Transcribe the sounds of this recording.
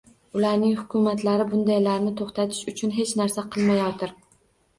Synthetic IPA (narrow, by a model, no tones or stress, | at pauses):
ʊlaɾnɪŋhʊkʲʰʊmat̪ʰlaɾɪbʊnd̪ajlaɾnɪt̪ʰoχt̪ʰat̪ʰɪ̥ʃʊt͡ʃʰʊnɦe̞t͡ʃnaɾsaqʰɨlˠmajɒt̪ʰɪɾ